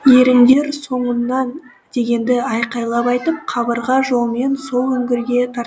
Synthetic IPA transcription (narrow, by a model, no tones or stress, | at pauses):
je̞ɾɪŋd̪e̞ɾso̞ɴənːɑn | d̪̥e̞ɡʲe̞nd̪ɪɑjqɑjlˠɑpɑjt̪əp̚qʰɑbəɾʁɑʒo̞lˠme̞nso̞lˠɵŋɡʲɪɾɡʲe̞t̪ʰɑɾt̪